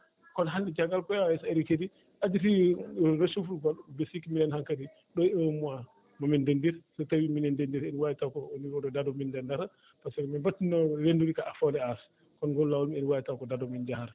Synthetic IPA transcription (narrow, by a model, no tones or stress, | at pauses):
kɔnɦandɛd͡ʒaɡalpɔjjɛseɾikedi | ʔad͡ʒitiɾoʃufuɾɡabesikiminɛnhaŋkadi | ɗɔɛmua | mamɛndendiɾsɔtawiminɛndendiɾenwajitawkɔniɾɔdɔdadɔmindɛndaɾa | pasɛkɔmibatːinɔlenduɾikaafɔlɛas | kɔnɡɔlːawalmienwajitakɔdadɔmind͡ʒahaɾ